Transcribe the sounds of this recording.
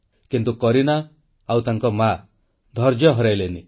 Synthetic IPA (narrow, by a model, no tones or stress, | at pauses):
kint̪ukɔɾinaː | wt̪aŋkɔma | d̪ʱɔɾd͡ʒjɔɦɔɾajleni